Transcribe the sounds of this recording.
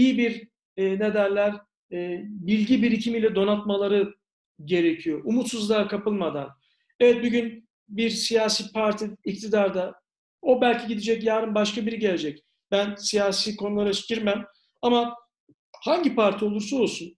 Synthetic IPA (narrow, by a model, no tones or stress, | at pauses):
ijibiɾ | ne̞d̪æɾlʲæɾː | bilʲɟibiɾicʰimilʲɛd̪o̞nat̪malˠaɾɯ | ɟe̞ɾe̞cʰijoʔumut̪suzlˠakʰapɯlˠmad̪a̰n | evɛt̪̚buɟyn | biɾsijaːsiːpʰaɾt̪ʰiːct̪ʰid̪aɾd̪a | o̞bælʲcʰiɟid̪ed͡ʒɛcjaːɾɯmbaʃkabiɾiɟe̞lʲe̞d͡ʒɛc | b̥ænsijaːsiːkʰo̞nulˠaɾat͡ʃcʰiɾmæm | ama | haɲɟipaɾt̪ʰio̞lˠuɾsuolˠsun